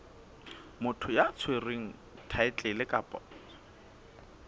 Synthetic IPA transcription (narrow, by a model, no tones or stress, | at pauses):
mʊtʰʊjat͡sʰwereŋ̩ | tʰaɪt͡ɬʼɪlɪkʼaːpʼɔ̰